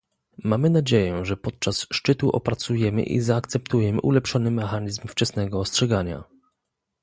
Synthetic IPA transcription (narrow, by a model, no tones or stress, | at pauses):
mamɘnad͡ʑejɛʐɛpɔt̪̚t͡ʂasʂt͡ʂɘt̪uʔɔ̰pɾat̪sujɛmɘ̰ʔḭzaːkt̪sɛpt̪ujɛmɘ̰ʔulɛpʂɔnɘmɛxaɲizmft͡ʂɛsnɛɡɔːstʂɛɡaɲa̰